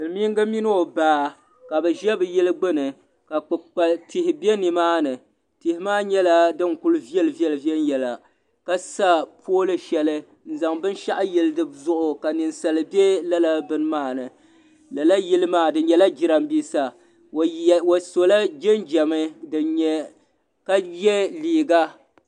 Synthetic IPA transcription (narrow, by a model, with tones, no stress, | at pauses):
ɨ˨lmi˦ŋ˦ɡa˦mi˦n˦o˨baː˨˦ | ka˨bɨ˨ʒɛ˦bɨ˨jɛ˦lɨ˦ɡ͡bɨ˦nɨ˨ | ka˨k͡pɨ˨k͡pa˨lti˨hɪ˨bɛ˦ni˨maː˦nɨ˨ | ti˨hɪ˦maː˦ɲɛ˦la˦dɨ˦ŋkʊ˦lvi˦ɛ˦lɨ˨vi˦ɛ˦lɨ˨vi˦ɛ˦n˦jɛ˨la˨ | ka˦sa˦pʰoː˦lɨ˦ʃɛ˨lɨ˦ | n̩˦za˨ŋbɨ˦n˦ʃa˦ʔa˦jɛ˨lɨ˦dɨ˦zʊ˦ʔʊ˨ka˨nɨ˨nsa˨lɨ˨bɛ˦la˦la˦bɨ˦n˦maː˦˨nɨ˨ | la˨la˦ji˦lɨ˦maː˦˨dɨ˨˦ɲɛ˨la˦d͡ʒi˨˦ɾa˦mbiː˦sa˨ | wa˨so˨la˦d͡ʒɛ˦nd͡ʒɛ˨mɨ˦dɨ˨ɲɛ˦ | ka˦jɛ˦liː˨ɡa˦